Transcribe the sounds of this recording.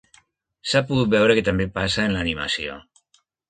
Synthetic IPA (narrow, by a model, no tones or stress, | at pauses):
sapuɣut̪̚bewɾeket̪ambepasaenlaːnima̰sio̰